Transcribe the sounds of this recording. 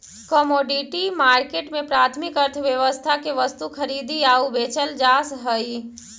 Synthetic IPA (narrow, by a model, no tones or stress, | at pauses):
kɔmoɖiʈimaɾkeʈmepɾat̪ʰmikəɾt̪ʰəʋjəʋəst̪ʰakeʋəst̪ukʰəɾid̪iaubet͡ʃəld͡ʒasɦəj